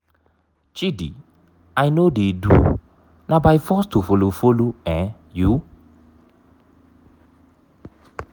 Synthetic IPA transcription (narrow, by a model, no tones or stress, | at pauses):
t͡ʃidḭ | ajnodedṵ | nãbajfɔstufolofoloɛ̃ | ju